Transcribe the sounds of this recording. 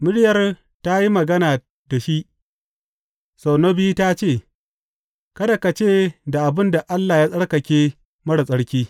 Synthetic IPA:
mɪ˦ɽjɐ˨r | ta˦ji˦mɐ˨ɡɐ˦naː˨ | da˨ʃi˦ʔ | sa˨wno˦bi˦ta˦t͡ʃeː˦˨ | kɐ˦da˨ka˨t͡ʃeː˦˨da˨ʔa˨bɪ˦nda˨ʔa˦lːaː˨jaː˦sʼɐ˦ɽkɐ˨kʲeː˦ | mɐ˦ɽa˨sʼɐ˦ɽkʲiː˦

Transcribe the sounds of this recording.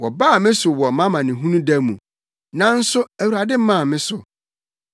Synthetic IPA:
wɔ˨baː˦˨mɪ̃˦sʊ˨wɔ˨mã˦mã˨nɪ̃˨ɦũ˦nũ˦dæ˦mũ˨ | nã˦n̩˦sʊ˦æ˨wu˨ɾa˨dɪ˦m̩˦mã˦˨mɪ̃˦sʊ˨

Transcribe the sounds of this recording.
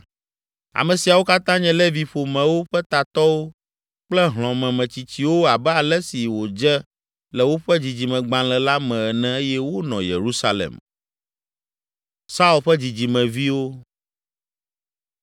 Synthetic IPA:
a̰˨mɛ̃˨si˨a˨wo˦ka˦t̪ã˦ɲɛ̃˨lɛ˦vi˨ɸo˨mɛ̃˨wo˦ɸɛ˦t̪a˨t̪ɔ˦wo˦ | k͡plɛ˦ɦl̃ɔ̃˨mɛ̃˨mɛ̃˨t͡ɕi˨t͡ɕi˨wo˦a˨bɛ˦a˨lɛ˦si˨wo˨d͡ʒɛ˦ | lɛ˨wo˦ɸɛ˦d͡ʑi˨d͡ʑi˨mɛ̃˨ɡ͡bã˨lɛ˨la˦mɛ̃˨ɛ˨nɛ̃˨e˦jɛ˦wo˦nɔ̃˨jḛ˨ɾu˦sa˦lɛ̰˨m | sa˦u˦˨lɸɛ˦d͡ʑi˨d͡ʑi˨mɛ̃˨vi˦wo˦

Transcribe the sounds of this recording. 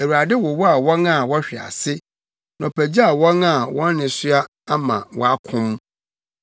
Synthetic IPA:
e˨wu˨ɾa˨dɪ˦wɔ˨wɔ˦a˨wɔ̃˦na˦˨wɔ˦ɕᶣɪ˨a̰˨sɪ˦ | nã˨pʰæ˨d͡ʑi˦a˨wɔ̃˦na˨wɔ̃˦nː˦ɪ̃˨sɥa˦ | a˦mã̰˨wɔ̰˦a˦kʰʊ̃˦m˦

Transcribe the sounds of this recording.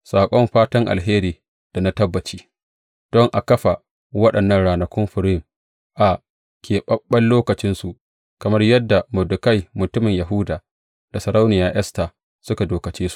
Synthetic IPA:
saː˨kʷʼɔ˦mɸaː˦tɐ˦ŋʔa̰˨lɦeː˦ɾiː˨ | d̥a˨na˦tɐ˦bːɐ˨t͡ʃiː˦ | d̥ɔ˦ŋʔa˨kɐ˦ɸa˨ | wɐ˦ɗɐ˨nːɐ˦ŋɽaː˨nɐ˨kʷʊ˦mɸɪ˨ɾm | ʔa˨ | kʲʰeː˨ɓɐ˦ɓːɐ˦lloː˦kɐ˨t͡ʃɪ˦nsu˨ʔ | kɐ˨mɐ˦rjɐ˦dːa˨mʊ˨dʊ˨kɐ˦jmʊ˨tʊ˦mɪ˨ɲjɐ˨ɦʊː˦daː˨ | d̥a˨sɐ˨ɾa˦wnɪ˨jaː˨ʔɛ˦sta˨ | sʊ˦ka˨doː˨kɐ˨t͡ʃeː˦su̥˨ʔ

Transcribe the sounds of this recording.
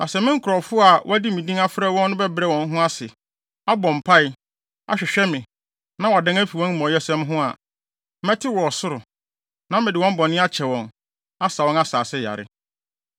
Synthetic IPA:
nʔã˨sɛ˨mɪ̃˦ŋ̩˦kʰʊ˨ɾɔ˨fʊ˦a˨wʔɔ̰˦æ˦di˦mĩ˨dĩ˦ŋa˦fɾɛ˦wɔ̃˦nːʊ̃˦bɛ˦bɾɛ˦˨wɔ̃˨n˦ɦʊ̃˦a˦sɪ˨ | a˦bɔ̃˨m̩˨pʰa˦ɪ˦ | a̰˨ɕᶣɪ˨ɕᶣɛ˦mɪ̃˨ | nã˦wa˨dɛ̃˦ŋæ˦fi˨wɔ̃˦n˦mɔ̃˨jɛ˦sɛ̃˦mɦʊ̃˦a˨˦ | mɛ˦tʰɪ˦wɔ˨ɔ˨sʊ˦ɾʊ˨ | nã˦m˦mɪ˨dɪ˨wɔ̃˦m̩˦bɔ̃˨nɪ̃˦a˦t͡ɕʰɛ˨wɔ̃˨n | a˦sa˨wɔ̃˦na˦saː˨sɪ˦ja̰˨ɾɪ̰˦

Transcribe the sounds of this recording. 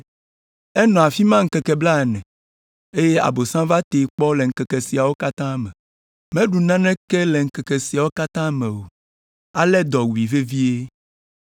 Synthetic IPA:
ɛ˦nɔ̃˨a˨fi˦mã˦ŋ̩˦kɛ˨kɛ˨bla˦˨nɛ̃˨ | e˦je˦a̰˨bo˨sã˦va˦t̪e˨˦k͡pɔ˦lɛ˨ŋ̩˨kɛ˨kɛ˨si˨a˨wo˦ka˦t̪ã˦mɛ̃˨ | mɛ̃˦ɖu˨nã˦nɛ̃˦kɛ˦lɛ˨ŋ̩˦˨kɛ˨kɛ˨si˨a˨wo˦ka˦t̪ã˦mɛ̃˨wo˨ | a˦lɛ˦d̪ɔ˨wi˨ve˦vi˦e˦

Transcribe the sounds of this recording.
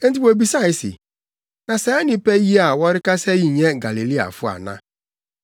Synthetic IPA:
n̩˦ti˨˦ko˨bi˨sa˦ɪ˨sɪ̰˨ | na˨sɛ˨˦nɪ˨pe˦ji˦a˨wɔ˦ɾɪ˦ka˦se˦ji˨ɲe˦ɡa˨li˨li˦a̰˨fʊ˦a̰˨na̰˦

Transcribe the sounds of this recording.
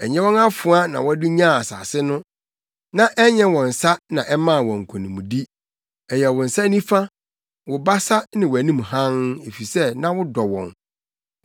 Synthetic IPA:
ɛ˨ɲɛ̃˦wɔ̃˦na˦fʊ˨a˦nã̰˨wɔ˦æ˦dʊ˦ɲã˦˨a˨sa̰ː˨sɪ˦nʊ̃˦ | nã˦ʔɛ˦ɲɛ̃˦wɔ̃˨n̩˨sa˦nã˨ʔɛ˦mã˦˨wɔ̃˨ŋ̩˨kʷʰɔ̃˨nĩ˨mũ˨di˦ | ɛ˨jɛ˨wʊ̃˨n̩˨sa˦nĩ˦fa˦ | wʊ˨ba˦sa˦nɪ̃˨wʊ˨æ˨nĩ˦m˨hã˦ne˨fi˨sɛ˦nã˦wʊ˦dɔ˨wɔ̰̃˨n

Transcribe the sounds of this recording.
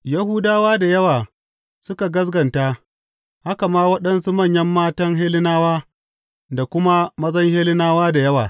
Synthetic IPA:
jɐ˦hu˦daː˦waː˦da˨jɐ˦waː˨ | sʊ˦ka˨ɡɐ˦s̬ɡɐ˨nta˦ | ha˦ka˨maː˦wɐ˦ɗɐ˦nsu˦mɐ˦˨ɲjɐ˦mːaː˦tɐ˦ŋɦeː˦lɪ˦naː˦waː˦ | da˨kʷʊ˦ma˦mɐ˦zɐ˦ŋheː˦lɪ˦naː˦waː˦da˨jɐ˦waː˨

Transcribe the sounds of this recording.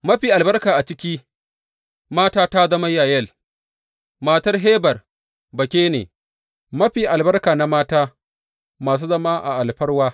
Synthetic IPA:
mɐ˦ɸiː˨ʔa˨lbɐ˦rkaː˨ʔa˨t͡ʃɪ˦kʲiː˦ | maː˦taː˦ta˦zɐ˦ma˦jaː˨jɐ˦l | maː˦tɐ˦rɦeː˦bɐ˨r | bɐ˨kʲeː˦nḛː˨ | mɐ˦ɸiː˨ʔa˨lbɐ˦rkaː˨na˦maː˦taː˦ | maː˨s̬uː˦zɐ˦maː˦ʔa̰˨ʔa˨lɸɐ˦ɽwaː˦

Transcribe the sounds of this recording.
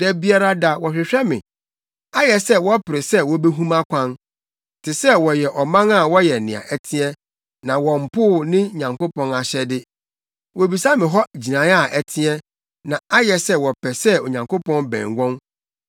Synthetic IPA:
dæ˨bi˦a˦ɾa˦da˨wɔ˨ɕᶣɪ˨ɕᶣɛ˦mɪ̃˨ | a˦jɛ˨sɛ˦wɔ˦pɪ˨ɾɪ˨sɛ˦wɔ˨˦be˦ɦũ˦mã˦kʷʰã˦n˨ | tʰɪ˨sɛ˦wɔ˨jɛ˨ʔɔ˨mã˦na˦˨wɔ˦jɛ˨nɪ̃˨a̰˨ʔæ˨tʰĩ˦ɛ˦ | nã˨wɔ̃˨m̩˨pʰʊ˦˨nɪ̃˦˨ɲã˨ŋko˦pʰɔ̃˦na˨ɕɛ˦dɪ˦ | wɔ˨bi˨sa˦mɪ̃˨ɦɔ˦d͡ʑi˨nã˨˦a˦˨ʔæ˨tʰɪ̃˦ɛ˦ | nã˨a˦jɛ˨sɛ˦wɔ˨pʰɛ˨sɛ˦o˨ɲã˨ŋkʰo˦pʰɔ̃˦nbɛ̰̃˨ŋɡʷɔ̃˦n

